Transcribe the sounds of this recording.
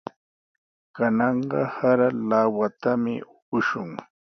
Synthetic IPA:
kanɑɴɢɑhaɾalawat̪amɪ̰ʊkʊʃʊŋ

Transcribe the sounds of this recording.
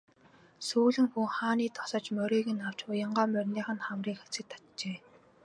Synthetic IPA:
suːɮɘ̆ŋxuŋχaːniːt̪ʰɔ̥sə̆t͡ɕmœɾʲeːɣɘ̆naw̥t͡ɕpʊjə̆ɴɢaːmœrʲniːχə̆nχamriːxe̥t͡sɘ̆k̚t̪ʰːḁt̪t͡ɕeː

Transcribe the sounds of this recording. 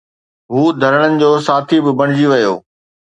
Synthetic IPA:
ɦuːd̪ʱɐɾəɽ̃ənɪ̆d͡ʑoːsaːt̪ʰibɪbɐɽ̃ɪd͡ʑiʋɐjo̰ː

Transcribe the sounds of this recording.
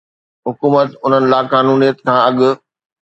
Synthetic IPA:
ɦʊkuːmət̪ʊn̤ənɪ̆laːkaːnuːnijət̪kʰãːɐɠʊ̆

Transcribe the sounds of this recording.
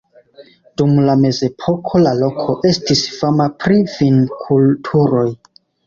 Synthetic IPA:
d̥umlame̞ze̞pʰo̞kʰo̞lalo̞kʰo̞ʔe̞stisfamapɾifinkʰultʰuɾo̞j

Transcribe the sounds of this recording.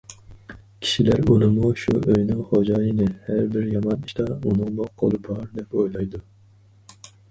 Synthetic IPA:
kʲʰi̥ʃilæɾolˠɨmuʃuøjnɪŋχod͡ʒɑːjinɪhæɾbɪɾjɑmɑniʃt̪ɑunɨŋmoqʰo̰lˠɨbɑɾd̪ɛpojlˠɑjd̪u

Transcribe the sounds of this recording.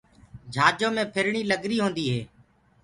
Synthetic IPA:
d͡ʒʱaːd͡ʒõːmẽːpʰɪɾɳiːləɡɾiːɦõːnd̪iːɦeː

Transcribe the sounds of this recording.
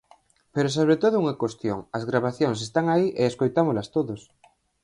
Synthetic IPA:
peɾos̬oβ̞ɾet̪oðouŋekost̪joŋazɣɾaβaθjons̬est̪aŋaiʔeeskojt̪amozlast̪oðos

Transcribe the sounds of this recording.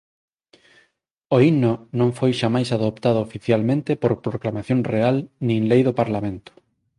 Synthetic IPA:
oinonõŋfojʃamajsaðopt̪aðʊofiθjalmẽnt̪epoɾpɾoklamaθjõŋrealnĩŋlejðopaɾlamẽnt̪ʊ̥

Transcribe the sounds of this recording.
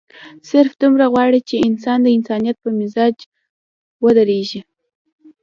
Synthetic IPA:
sɪɾfd̪umɾaɣwɑɽit͡ʃeɪnsɑnd̪əɪnsɑnijat̪̚pəmɪzɑd͡ʒ | wəd̪əɾeʒi

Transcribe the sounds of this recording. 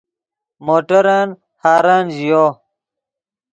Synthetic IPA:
moːʈɐɾaːn | haːɾaːnʑijoː

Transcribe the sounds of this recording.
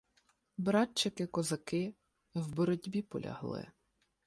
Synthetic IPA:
bɾɑt͡ʃːɪkɪkɔzɐkɪ | wbɔɾɔdʲbʲipɔ̰lʲɐ̰ɦlˠɪ̰

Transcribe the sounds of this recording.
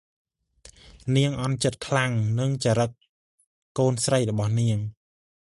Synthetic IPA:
niəŋʔɑnt͡ɕət̪̚kʰlaŋnɨŋt͡ɕaːɾək̚ | kːoːnsrəjrɔɓɑhniəŋ

